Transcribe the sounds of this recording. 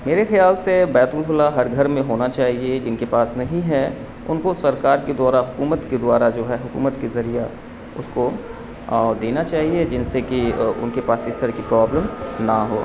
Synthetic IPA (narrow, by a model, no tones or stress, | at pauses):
meːɾexɐjaːlsebɛːt̪ʊlfʊlaɦɐɾɡʱɐɾmẽɦoːnat͡ʃaːɦied͡ʒɪnkepaːsnɐɦĩɦɛ | ʊ̰nkosɐɾkaːɾked̪waːɾaɦʊkuːmət̪ked̪ʊwaːɾad͡ʒoːɦɛɦʊkṵːmət̪kezɐɾija | ʊ̰sko | d̪eːnat͡ʃaːɦied͡ʒɪnsekiʊ̰nkepaːsɪst̪ɐɾəkipɾaːbləmnaɦo̰ː